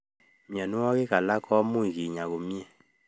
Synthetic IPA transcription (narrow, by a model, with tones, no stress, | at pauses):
mjɔ˨nu˦wɔ˦ɣe˦ka˨la˦kʰɔ˦mu˦i˨ɣi˨ɲa˨ɣo˨mi˦ɛ˨